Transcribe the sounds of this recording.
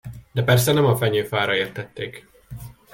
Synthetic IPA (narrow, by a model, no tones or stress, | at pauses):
d̪̥ɛpɛrsɛnɛmɒfɛɲøːfaːɾɒeːrt̪ɛt̪ːeːk